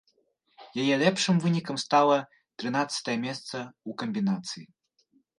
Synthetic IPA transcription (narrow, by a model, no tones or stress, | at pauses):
jajɛlʲɛpʂɨmvɨnʲikɐmst̪alˠɐ | t̪ɾɨnat̪sɐ̥t̪ɐjɐmʲɛst̪sɐukɐmʲbʲinat̪sɨji